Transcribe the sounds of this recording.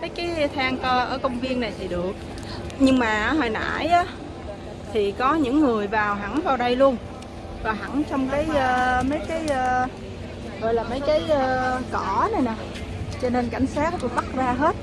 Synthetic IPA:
mə˨˦jkaː˨˦jt̪ʰaː˧ŋkəː˧ʔəː˧˩kə˧wŋ͡mvi˧ənːa˨˩jt̪ʰi˨˩ɗɨ˨˩ək̚ | ɲɨ˧ŋmaː˨˩ʔɦəː˨˩jna̰ː˧˩˨jʔaː˨˦ | t̪ʰi˨˩kɔ˨˦ɲɨ̰˧˥ŋːɨ˨˩əjvaː˨˩wɦa˧˩ŋvaː˨˩wɗə˧jlu˧ən | vɔː˨˩ɦa˧˩ŋt͡ɕɔ˧wŋ͡mkaː˨˦jʔəː˧mə˨˦jkaː˨˦jʔəː˧ | ɣɔ̰˧˨jlaː˨˩mə˨˦jkaː˨˦jʔəː˧kɔ˧˩na˨˩jnaː˨˩ | t͡ɕɔ˧ne˧nka̰˧˩jŋ̟saː˦˥k̚t̪u˧˩ɓa˦˥t̚zaː˧ɦe˦˥t̚

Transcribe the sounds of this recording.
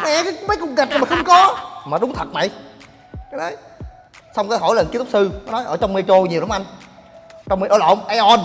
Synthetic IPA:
mɛ˧˩˨kaː˨˦jmə˨˦jkʊ˨˩ŋ͡m̚ɣa˨˩t̚na˨˩ma˨˩xə˧wŋ͡mkɔ˨˦maː˨˩ɗʊ˨˦ŋ͡mt̪ʰə˨˩t̚ma̰˧˨j | kaː˨˦jnə˨˦j | sa˧wŋ͡mkaː˨˦ɦo˧˩˦jlə˨˩nki˧˦t̪k͡p̚sɨ˧ɔ˨˦nɔ˨˦jʔəː˧˩t͡ɕɔ˧wŋ͡mme˧t͡ɕo˧ɲi˨˩wɗa˨˦ʔa˧jŋ | t͡ɕɔ˧wŋ͡mmə˧ʔəː˧˦˩lɔ̰˧˨˧ŋ͡mʔa˧ʔɔ˧n

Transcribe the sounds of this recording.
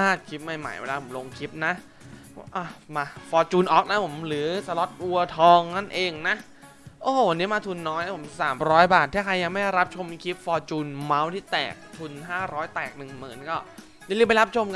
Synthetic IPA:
aː˧˥˩kʰi˦˥p̚ma˥˩jma̰˦˩jwḛ˧laː˧pʰo˩˦mlo˧ŋkʰi˦˥p̚na˦˥ʔ | ʔɔ˧˩maː˧fɔː˧t͡ɕuː˧nʔɔː˨˩k̚na˦˥pʰo˩˦mɾɯː˩˦sa˧lɔ˦˥t̪̚ʔu˧ɐt̪ʰɔː˧ŋna˥˩nʔeː˧ŋna˦˥ʔ | ʔoː˧˩o˨˩wa˧nːiː˦˥maː˧t̪ʰu˧nːɔː˦˥jʔa˦˥˩pʰo˩˦m˨˩saː˩˦mɾɔː˦˥jbaː˨˩t̪ʰːɛː˥˩kʰa˧jːa˧ŋma˥˩ɛ˥˩jɾa˦˥p̚t͡ɕʰo˧mkʰi˦˥p̚fɔː˧t͡ɕuː˧nma˦˥wt̪ʰiː˥˩t̪ɛ̰ː˨˩k̚t̪ʰu˧nɦaː˥˩ɾɔː˦˥jt̪ɛː˨˩k̚nɯ˨˩ŋmɯ̰ː˩˦nkɔː˥˩ | ja˧˩li˧˩pa˧jɾa˦˥p̚t͡ɕʰo˧mka˧

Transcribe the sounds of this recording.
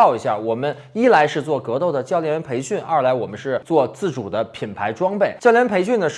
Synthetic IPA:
ʊi˧˥ɕja̰˥˩wɔ˨˩mə˦n | i˥la˧˥ɪʂɻ̩˥˧t͡swɔ˥˩kɤ˧˥t̪o˥˩ʊd̪ə˩t͡ɕjɑ˥˩ʊljɛ˥npʰe˧˥ɪɕy˥˩nʔa̰ɐ˞˥˩˧la˧˥ɪwɔ˨˩mə˦nʂɻ̩˥˧t͡swɔ˥˧t͡sɹ̩˥˩ʈ͡ʂu˨˩d̪ə˦pʰi˨˩npʰa˧˥ɪʈ͡ʂwɑ˥ŋpe˥˩ɪt͡ɕjʊljɛ˧˥n˥pʰe˧˥ɪɕy˥˩nd̪ə˩ʂ

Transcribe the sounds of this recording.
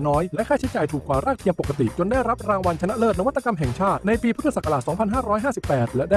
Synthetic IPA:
nɔː˦˥jlɛ˦˥ʔkʰaː˥˩t͡ɕʰi˦˥t͡ɕaː˨˩jt̪ʰuː˨˩kːwaː˨˩ɾaː˥˩k̚t̪ʰi˧əŋpo˨˩ka˧t̪ḭ˨˩t͡ɕo˧nda˥˩jɾa˦˥p̚ɾaː˧ŋwa˧nt͡ɕʰa˧na˦˥ʔlɤː˥˩t̪̚na˦wa˥t̪ːa˨˧ka˧mɦɛ˨˩ŋt͡ɕʰaː˥˩t̪̚na˧jpiː˧pʰt̪ʰːa˧˩sa˨˩kːa˧laː˨˩sɔː˩˦ŋpʰa˧nɦaː˥˩ɾɔː˦˥jɦaː˥˩si˨˩pːɛː˨˩t̪̚lɛ˩˦˥da˥˩

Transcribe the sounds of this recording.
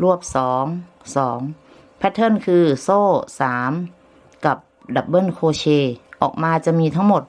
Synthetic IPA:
lu˥˩əp̚sɔː˩˦ŋ | sɔː˩˦ŋ | pʰɛ˧˥t̪ʰɤ˧˥˨nkʰɯː˧soː˥˩saː˩˦m | ka˨˩p̚da˨˩p̚bɤ˧˥˨nkʰoː˧t͡ɕʰeː˧ʔɔː˨˩k̚maː˧t͡ɕa˨˩miː˧t̪ʰa˥˩ŋmo˨˩t̪̚

